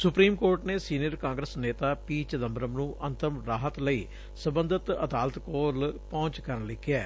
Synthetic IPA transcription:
sʊpɾiːmkoːɾʈneːsiːnɪjəɾkãːŋɡɾəsneːt̪aːpiːt͡ʃəd̪əmbɾəmnũːʔənt̪əmɾaːɦət̪ləiː | səbə̃nd̪ət̪ə̰d̪aːlət̪koːlpɔ̃ːɲt͡ʃkəɾənlɪkːɪɛː

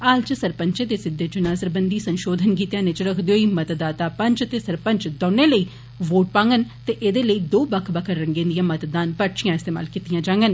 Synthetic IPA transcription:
aːlt͡ʃsəɾpəɲt͡ʃeːt̪eːsɪd̪ːeːd͡ʒʊnaːsəɾbənd̪iːsənʃoːd̪ʱənkiːt̪jãːnet͡ʃɾəkʰd̪eɦoːiːmət̪d̪aːt̪aːpəɲt͡ʃt̪eːsəɾpəɲt͡ʃd̪ɔ̃ːneːləiː | ʋoːʈ̚pãːŋɡənt̪eːʔeːd̪eːləiːd̪oːbəkʰbəkʰəɾːəŋɡẽːnd̪ijãːmət̪d̪aːnpəʈt͡ʃijãːɪst̪eːma̰ːlkiːt̪ijãːd͡ʒãːŋɡən

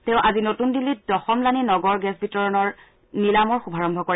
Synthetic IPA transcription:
teʊ̃ʔazinotundilːit̚dɔxɔmlaninɔɡɔɹɡɛsbʱitɔɹɔnɔɹ | nilamɔɹxubʱaɹɔmbʱɔkoɹɛ

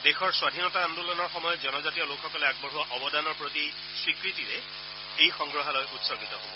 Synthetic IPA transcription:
dexɔɹswadʱinɔtaandulɔnɔɹxɔmɔjɔtzɔnɔzatiɔlokxɔkɔlɛaɡ̚bɔɹɦuwaʔɔbɔdanɔɹpɹoti | swikɹitiɹɛ | ejxɔŋɡɹɔɦalɔjʔutsɔɡitɔɦobɔ

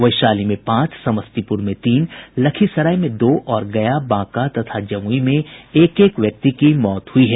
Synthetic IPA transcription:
ʋɐɪʃaːlimẽpãːt͡ʃsɐməst̪ipʊɾmẽt̪iːnlɐkʰisɐɾaːimẽd̪oːʔʔɔːɾɡɐjabãːkat̪ɐt̪ʰad͡ʒɐmuimẽeːkeːkʋjɐk̚t̪ikimɔːt̪ɦʊiɦɛː

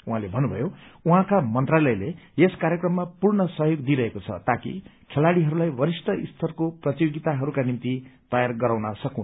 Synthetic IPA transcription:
uɦãlebʱʌnːubʱʌ̰jouɦãkamʌnt̪ralʌjleeskaɾjekrʌmːapurnʌsʌɦjoɡd̪iɾʌɦekot͡sʰʌ̰t̪akḭkʰelaɽiɦʌɾulajbʌɾisʈ̪ʰʌist̪ʰʌrkoprʌt̪joɡit̪aɦʌɾukanimt̪it̪ʌjarɡʌɾaw̃nʌsʌkũn

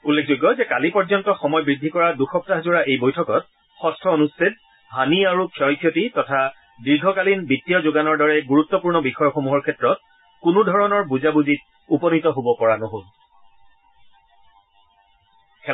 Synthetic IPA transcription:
ulːek̚ʰzoɡːɔzɛkalipɔɹzɔntɔxɔmɔjbɹidʱːikɔɹaduxɔp̚taɦzʊɹaʔejbojtʰɔkɔt̚ | xɔstʰɔonustet̚ | ɦaniaɹukʰɔjkʰjɔtitɔtʰa | diɹɡʱɔkalinbitːijɔzʊɡanɔɹdɔɹɛɡuɹut̪ːɔpuɹnɔbixɔjɔxomuɦɔɹkʰɛtɹɔt̚ | kunudʱɔɹɔnɔɹbuzabuzit | upɔnitɔɦobɔpɔɹanoɦol | kɛ

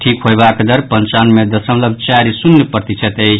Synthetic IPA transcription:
ʈʰikɦojbakd̪əɾpənt͡ʃanmed̪əsəmləbʱt͡ʃaɾisunːepəɾt̪it͡ʃʰət̪əjt͡ʃʰ

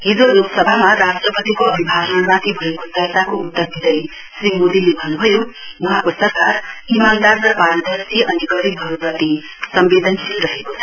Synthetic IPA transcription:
ɦid͡zoɾupsʌbʱamaɾasʈrʌpʌt̪ikoʌbʱibʱasʌnɾãt̪ibʱʌekot̪ʌsakout̪ːʌrd̪ʱid̪ʌj | srimud̪ilebʱʌnubʱʌjouɦãkosʌrkarimand̪arrʌpaɾʌd̪ʱʌsiʔʌniɡʌɾibʱɦʌɾupʌt̪i | sʌmbed̪ʱʌnsʰilɾʌɦekot͡sʰʌ

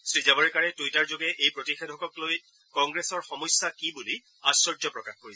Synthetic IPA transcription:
sɹizabɔɹɛkaɹɛtujtaɹzoɡɛʔejpɹotixedʱɔkɔkloj | kɔŋɡɹesɔɹxɔmɔjsːakibuli | asɔɹd͡ʒɔpɹɔkaxkoɹisɛ

